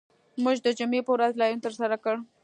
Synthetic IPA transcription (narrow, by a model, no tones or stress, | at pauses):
muʒd̪əd͡ʒʊmepəwɾazlɑjunt̪əɾsaɾakəɽ